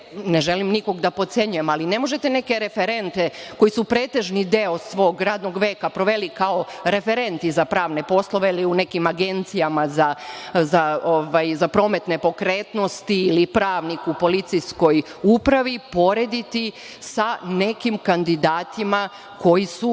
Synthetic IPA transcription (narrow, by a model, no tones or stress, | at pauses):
ne̞ʒelimniko̞ɡd̪apo̞t̪sje̞ɲujemaline̞mo̞ʒet̪e̞ne̞ke̞ɾe̞feɾe̞nt̪e̞ko̞jisupɾe̞ːt̪e̞ʒnid̪eo̞sʋo̞ːɡɾaːd̪no̞ɡʋe̞ːkapɾo̞ʋe̞likao̞ɾe̞fe̞ɾe̞nt̪izapɾaːʋne̞po̞slˠo̞ʋeiliune̞kimaɡe̞nt̪sijamazazaoʋajzapɾo̞ːme̞t̪ne̞po̞kɾe̞ːt̪no̞st̪iːlipɾaːʋnikupo̞lit̪sijsko̞jupɾaʋipo̞ɾe̞d̪it̪i | sane̞kimkand̪id̪aːt̪ima | ko̞jisu